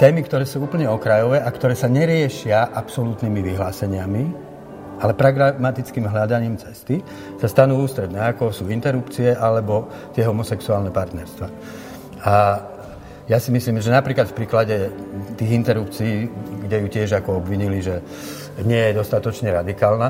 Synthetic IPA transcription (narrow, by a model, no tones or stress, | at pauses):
t̪ɛːmikt̪ɔɾɛːsuuːpl̩ɲɛɔkɾajɔʋɛːʔakt̪ɔɾɛːsaɲɛɾɪɛʃɪaʔapsɔlut̪nimiʋiɦlaːsɛɲɪami | alɛpɾaɡɾamat̪it͡skiːmɦlad̪aɲiːmt͡sɛst̪i | sast̪anuːuːst̪ɾɛd̪nɛːakɔsuːint̪ɛɾupt͡siɛʔalɛbɔ | t̪ɪɛɦɔmɔsɛksuaːlnɛpaɾt̪nɛɾst̪ʋaː | a | jasimisliːmʒɛnapɾiːklat̪fpɾiːklaɟɛt̪iːɣint̪ɛɾup̚t͡siiːɡɟɛjucɪɛʒakɔɔbʋiɲiliʒɛ | ɲɪɛjɛd̪ɔst̪at̪ɔt͡ʃɲɛɾad̪ikaːlna